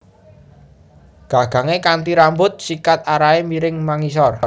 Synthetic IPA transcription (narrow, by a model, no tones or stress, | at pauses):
ɡ̥a̤ɡ̥ä̤ŋekant̪iɾambʊt̪̚sikat̪̚aɾaemiɾɪŋmaŋis̬ɔr